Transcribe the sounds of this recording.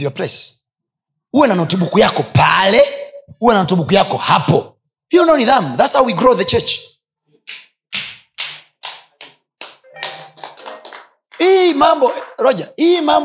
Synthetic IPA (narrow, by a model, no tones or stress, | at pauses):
iapɾɛs | uwɛnanɔtuɓukujakɔpalɛuwɛnanɔtuɓukujakɔhapɔ | hijɔnɔniðamðatshawwiɡɾoðət͡ʃɛt͡ʃ | imambɔɾɔd͡ʒaimam